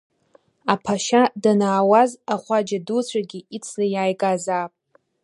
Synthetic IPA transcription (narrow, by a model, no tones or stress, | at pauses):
apʰaʃadanaːwazaχʷad͡ʒadut͡ɕʷʰaɡʲiit͡sʰlajaːjɡʼazaːpʼ